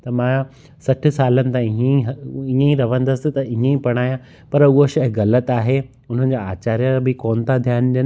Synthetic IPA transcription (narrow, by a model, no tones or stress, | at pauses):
t̪ɐmãː | sɐʈʰɪ̆saːlənɪ̆t̪ãiẽɦĩːẽiɾɐʋə̃nd̪ɐsɪt̪ɐĩẽipɐɽ̃aːjã | pɐɾʊɦoʃɐɦɣɐlət̪aːɦe | ʊn̤ɦənɪ̆d͡ʑaaːt͡ɕaːɾijabɪkoːnt̪ʰad̪ʱjaːnɗən